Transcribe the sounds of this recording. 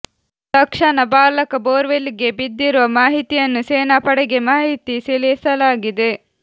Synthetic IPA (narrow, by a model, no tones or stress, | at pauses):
t̪ɐkʂɐnɐbaːlɐkɐboːɾʋeliɡe̞bid̪ːiɾuʋɐmaːɦit̪ijɐnːuseːnaːpɐɽɛɡe̞maːɦit̪isilesɐlaːɡid̪e̞